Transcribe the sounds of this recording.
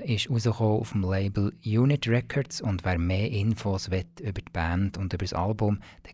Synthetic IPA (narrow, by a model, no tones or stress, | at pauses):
ɪʃuzəχoːṵfm̩leɪbl̩juːnɪtɹɛkʰɔɾtsʊndvæːɾmeːʔɪnfosʋɛtʏb̥ətb̥æːnd̥ʊndʏbəɾsɑ̰lbʊmd̥ɛ